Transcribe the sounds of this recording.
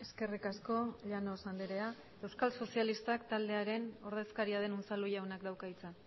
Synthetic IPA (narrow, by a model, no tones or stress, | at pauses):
e̞ske̞rikasko̞ʎanosand̪iɾe̞a | e̞wskalso̞sialist̪akt̪ald̪e̞aɾe̞no̞ɾð̞e̞skaɾiaðe̞nont͡salujawnakd̪awkait͡sa